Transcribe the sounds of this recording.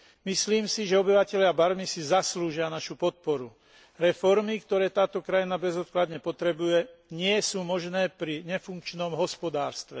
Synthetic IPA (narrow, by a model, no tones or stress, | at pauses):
misliːmsiʒɛɔbiʋacɛʎɪabaɾmisizasluːʒɪanaʃupɔt̪̚pɔɾu | ɾɛfɔɾmikt̪ɔɾɛːt̪aːt̪ɔkɾajinabɛzɔt̪̚klad̪ɲɛpɔt̪ɾɛbujɛɲɪɛsuːmɔʒnɛːpɾiɲɛfuŋkt͡ʃnɔmɦɔspɔd̪aːɾst̪ʋɛ